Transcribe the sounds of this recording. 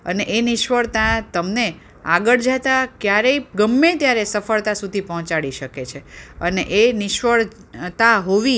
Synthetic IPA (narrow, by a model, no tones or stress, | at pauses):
əneʔenɪʃʋəɭt̪at̪əmne | aɡəɭd͡ʒat̪akjaɾəiɡəmːet̪jaɾesəfəɭt̪asud̪ʱipəɦɔ̃t͡ʃaɽiʃəket͡ʃʰeəneʔenɪʃʋəɭ | t̪aɦoʋi